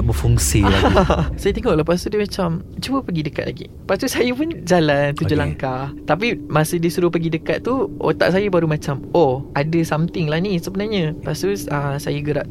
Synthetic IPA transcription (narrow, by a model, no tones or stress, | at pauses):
ʔbəfuŋsiaasajat̪eŋɔʔlahpast̪udəmat͡ʃamt͡ʃubəpəɡidəka̰t̪̚la̰ɡḭ | past̪usajapʊnd͡ʒalant̪ud͡ʒulaŋkat̪ap̬imasədisuɾʊhpəɡidəkat̪̚ːuʔo̰t̪a̰ʔ̚sajabaɾumãt͡ʃamoadəsamt̪ɪŋlahnisəbənarɲãpast̪uəsajaɡəɾaʔ̚